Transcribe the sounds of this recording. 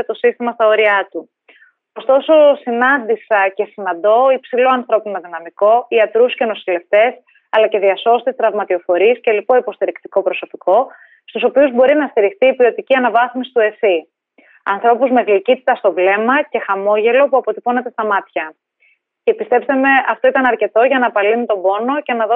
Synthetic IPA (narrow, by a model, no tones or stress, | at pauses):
et̪o̞sist̪imɐst̪ɐo̞ɾiɐt̪u | ost̪o̞so̞sinɐnd̪isɐce̞sinɐnd̪o̞ipsilo̞ɐnθɾo̞pinɐðinɐmiko̞iɐt̪ɾusceno̞sile̞ft̪e̞s | ɐlɐce̞ðiɐso̞st̪ist̪ɾɐvmɐt̪io̞fo̞ɾiesce̞lipo̞ipo̞st̪iɾikt̪iko̞pɾo̞so̞piko̞ | st̪uso̞piuzbo̞ɾinɐst̪iɾixt̪iːpio̞t̪iciɐnɐvɐθmisi̥t̪ue̞si | ɐnθɾo̞puzme̞ɣlicit̪i̥t̪ɐst̪o̞vle̞mɐce̞xɐmo̞ʝe̞lo̞puɐpo̞t̪ipo̞ne̞t̪e̞st̪ɐmɐt̪çɐ | ce̞pist̪e̞pst̪eme̞ɐft̪o̞it̪ɐnɐɾce̞t̪o̞ʝɐnɐpɐlinut̪o̞bo̞no̞ce̞nɐðo